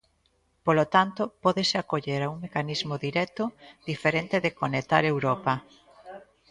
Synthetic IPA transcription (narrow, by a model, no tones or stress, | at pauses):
polot̪ant̪ʊpɔðesɪakoʎeɾauŋmekanizmoðiɾɛt̪ʊðifeɾent̪eðekonet̪aɾewɾɔpɐ